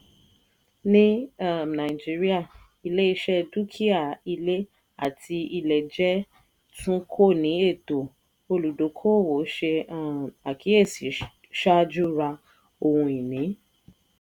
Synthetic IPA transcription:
nĩ˦a˦˨nã˨i˨d͡ʒi˦ɾi˦a˦˨ | i˧le˦i˧ʃɛ˦du˦kʰi˦a˦˨i˧le˦ | a̰˨tʰi˧i˧lɛ˨d͡ʒɛ˦ | tʰũ˦kʰo˦˨nĩ˨˦e˦˨to˨ | o˧lu˨do˨˦kʰo˦˨wo˨˦ʃe˧˦a˨ki˨˦e˦˨si˨˦ | ʃa˦d͡ʒu˦ɾa˧ | o˧hũ˧i˨nĩ˨˦

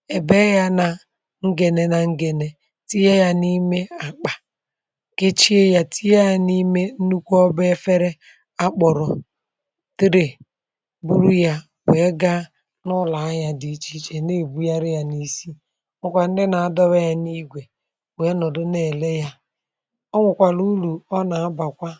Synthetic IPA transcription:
e˨be˦ja˦na˨ | ŋ̩˦ɡe˨ne˨na˨ŋ̩˦ɡe˨ne˨ | ti˦je˦ja˦ni˦me˦a˨k͡pa˨ | ke˦t͡ʃi˦e˦ja˦tʰi˦ja˦a˨ni˦me˦n̩˦nu˦kʷɔ˦be˦fe˦ɾe˦ | a˦k͡pɔ˨ɾɔ˨ | ti˦ɾe˨ | bu˦ɾu˦ja˦ | we˨˦ɡa˦ | nʊ˦la˨a˦ɲa˦di˨t͡ʃi˦t͡ʃe˨ne˦˨bu˦ja˦ɾɪ˦ja˦ni˦si˦ | ŋʷʊ˦kʷa˨n̩˦dɪ˦na˨a˨dɔ˦βa˦ja˦ni˦ɡʷe˨ | we˨˦nɔ˨dʊ˦ne˨le˦ja˦ | ɔ˦ŋʷʊ˨kʷa˨lu˦lu˨ɔ˦na˨˦ba˨kʷa˦

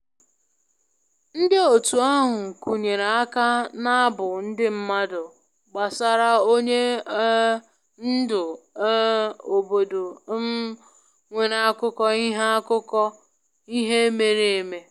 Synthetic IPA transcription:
n̩˦dɪ˦o˨tu˨a˦ɦʊ˨ŋ̩˨ku˨ɲe˨ɾa˨a˦ka˦na˦a˦bʊ˨n̩˦dɪ˦m̩˦ma˦dʊ˨ | ɡ͡ba˨sa˨ɾa˦o˦ɲe˦ | n̩˦dʊ˨˦ | o˨bo˨do˨ | ŋʷe˨ɾa˦a˦kʊ˦kɔ˦i˦ɦe˦a˦kʊ˦kɔ˦ | i˦ɦe˦e˦me˨ɾe˦e˦˨me˨

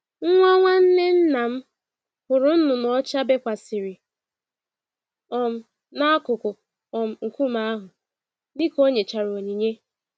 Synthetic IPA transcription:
ŋ̩˦ŋʷa˦ŋʷa˦n̩˦ne˦n̩˦na˨m̩˦ | hʊ˨ɾʊ˨n̩˦nʊ˨nɔ˨ɔ˦t͡ʃa˦be˦kʷa˨sɪ˨ɾɪ˨ | ɔ˨m̩˨ | na˦a˦kʊ˨kʊ˨ | ɔ˨m̩˨ŋ̩˨ku˦ma˦a˦ɦʊ˨ | dɪ˦ko˦ɲe˨t͡ʃa˨ɾo˨ɲi˨ɲe˦

